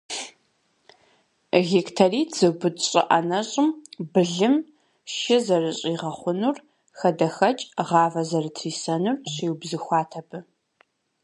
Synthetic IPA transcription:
ɣektʰɐriːtz̥ɨbʊtɕʼɪ̰ʔɐ̰nɐɕʼɪmbɨɮɨm | ʃɪzɐrɨɕʼiːʁɐχʷʊnur | xɐdɐxɐt͡ʃʼʁɑːvɐzɐrɨtʰriːsɐnurɕiːwbzɨxʷɑːtʰɐbɨ

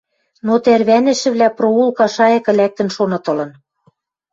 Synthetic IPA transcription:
not̪æɾβænɘ̆ʃɘ̆βlʲæproulˠkɑʃɑjɤ̆kɘ̆læk̚t̪ɘ̆nʃonɤ̆t̪ɤ̆lɤ̆n

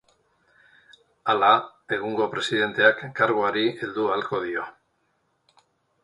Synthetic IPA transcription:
alae̞ɣ̞uŋɡo̞pɾe̞siðe̞nt̪e̞akːaɾɣoaɾield̪ualko̞ð̞io̞

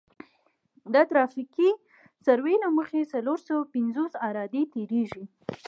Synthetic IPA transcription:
d̪ət̪ɾɑfiki | saɾwelaməxesaloɾsawapɪnzosɑɾɑd̪et̪eɾeʒi

